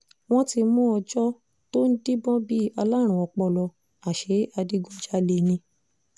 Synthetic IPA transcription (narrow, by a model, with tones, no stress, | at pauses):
w̃ɔ̃˦ti˧mũ˦ɔ˧d͡ʒɔ˦ | to˦n̩˦di˦bɔ̃˦bi˦a˧la˦˨ɾ̃ũ˨ɔ˧˨k͡pɔ˧lɔ˧ | a˨ʃe˨˦a˧di˦ɡũ˦d͡ʒa˦le˧nĩ˧˦